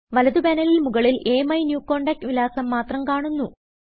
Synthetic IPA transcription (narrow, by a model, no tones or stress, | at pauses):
ʋɐlɐðubɐnɐlilmuɣɐɭile̞ːmɐjnjuːkːo̞ːɳɖɐk̚ʈʋilaːsɐmːaːt̪rɐmkaːɳunːu